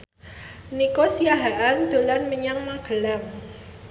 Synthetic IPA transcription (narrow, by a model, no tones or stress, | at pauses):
nikosiaɦaʔand̪̥o̤lanməɲaŋmaɡ̥ə̤laŋ